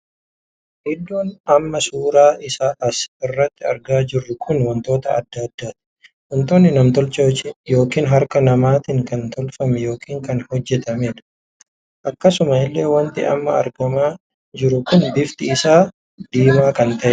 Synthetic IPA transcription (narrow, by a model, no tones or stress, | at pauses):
ʔɪd̪ːoːnɐmːɐsuːɾaːɪsaːʔɐsɪrːɐt̪ːɪɐ̰ɾɡaːd͡ʒɪrːʊkʰʊnwɔnt̪o̞ːt̪ɐɐ̰d̪ːaːd̪ːaːt̪ɪ̥ | wɔnt̪oːnːɪnɐmt̪ɔlt͡ʃot͡ʃɛjo̞ːkiːnɦɐɾkɐnɐmaːt̪ɪŋkɐnt̪ɔlfɐmɛjo̞ːkiːŋkɐnhɔd͡ʒːɛt̪ɐmeːᶑ̪ɐ̥ | ʔɐkːɐsʊmɐɪlːe̞ːwɐnt̪ɪɐ̰mːɐ̰ɐ̰ɾɡɐmaː | d͡ʒɪɾʊkʊnbɪft̪ɪɪsaː | d̪̥iːmaːkɐnt̪ɐʔɛ